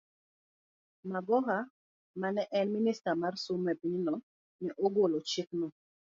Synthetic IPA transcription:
maɡɔɦa | manɛʔɛnministamarsumːɛpiɲnɔ | niʔoɡolot͡ʃɪknɔ

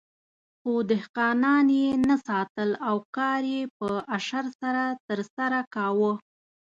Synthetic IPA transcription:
xod̪ɪhqɑnɑnjenasɑt̪əlawkɑɾjepəaʃaɾsaɾat̪əɾsaɾakawə

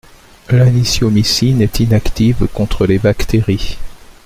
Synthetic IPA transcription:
lanisjomisinɛt̪inakt̪ivkɔ̃t̪χəlebakt̪eʁi

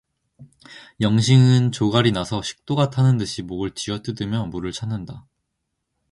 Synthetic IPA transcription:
jʌŋɕʰiŋɯnt͡ɕoɡaɾinasʰʌɕʰi̥k̚t͈oɡatʰanɯndɯɕʰimoɡɯɭt͡ɕiʌt͈ɯdɯmjʌmuɾɯɭt͡ɕʰanːɯnda

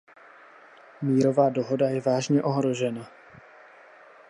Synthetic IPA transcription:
miːɾo̞vaːdoɦo̞dajɛvaːʒɲɛʔo̞ɦɾo̞ʒɛna

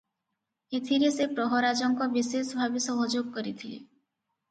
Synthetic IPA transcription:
et̪ʰiɾesepɾɔɦɔɾad͡ʒɔŋkɔbisesbʱabisɔɦɔd͡ʒoɡkɔɾit̪ʰilḛ

